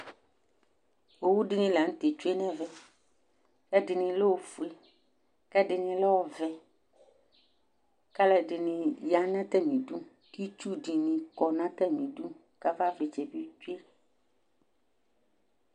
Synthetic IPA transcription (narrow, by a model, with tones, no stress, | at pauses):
wo˨wu˦ɖi˦nĩ˨la˨ŋ̩̃˦t̪e˨t͡ʃu˦e˦nɛ̃˦vɛ˨ | kɛ˦ɖɪ˨nĩ˨lo˦wo˨fu˨e˨ | kɛ˦ɖɪ˨nĩ˨lɔ˦wɔ˦vɛ˨ | ka˦lɛ˨ɖɪ˨nĩ˨ja˦nã˦t̪ɛ˦mĩ˨ɖu˦ | ki˦t͡ʃu˦ɖi˨nĩ˨kɔ˨nã˦t̪ɛ˦mĩ˨du˦ | ka˦va˦ve˨t͡ʃɛ˨bi˦t͡ʃu˦e˦